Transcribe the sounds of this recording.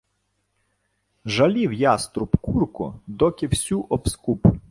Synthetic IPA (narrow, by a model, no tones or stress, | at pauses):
ʒɐlʲiwjɑst̪ɾʊpkurkʊ̰d̪ɔkʲɪwsʲuʔɔpskup